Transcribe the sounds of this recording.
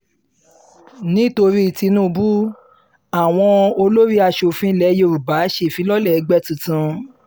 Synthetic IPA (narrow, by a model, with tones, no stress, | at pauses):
nĩ˦to˧ɾi˦i˨ti˧nũ˦˧bu˦ | a˨w̃ɔ̃˧o˧lo˦ɾi˦a˧ʃo˨fĩ˦lɛ˨˦je˧˨ɾu˨ba˨˦ʃe˦˨fĩ˨˦lɔ˦lɛ˦˨ɛ˨˦ɡ͡bɛ˦tũ˧˨tũ˧˦